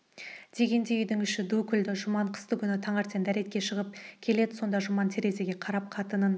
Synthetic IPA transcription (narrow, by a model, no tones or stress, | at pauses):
d̪̥e̞ɡʲe̞nd̪e̞ʏjd̪ɪŋʏʃɪd̪ukʲʰʏld̪ɪʒʊmɑɴqʰə̥st̪əkʲʰʏnɪt̪ʰɑɴɑɾt̪e̞nd̪æɾe̞t̪̚kʲe̞ʃəʁəp̚kʲʰe̞le̞d̪ɪso̞nd̪ɑʒʊmɑnt̪ʰe̞ɾe̞ze̞ɡʲe̞qʰɑɾɑp̚qʰɑt̪ənən